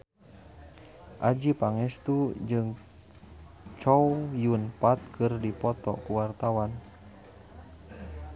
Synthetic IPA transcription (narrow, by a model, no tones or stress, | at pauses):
ʔad͡ʒipaŋɛst̪ud͡ʒɨŋ | t͡ʃɔwjunpat̪̚kʰɨrdipɔt̪ɔ̰kuwart̪awan